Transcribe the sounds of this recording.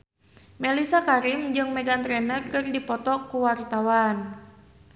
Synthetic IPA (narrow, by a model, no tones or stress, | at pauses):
mɛlisakaɾɪmd͡ʒɨŋmɛɡant̪ɾɛnərkɨrdipɔt̪ɔkuwart̪awan